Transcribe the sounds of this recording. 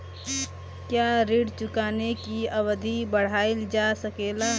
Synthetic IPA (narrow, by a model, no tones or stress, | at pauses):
kjaɾiɽt͡ʃʊkaːnekiəbəd̪ʱibəɽ̤aːɪld͡ʒasəkeːla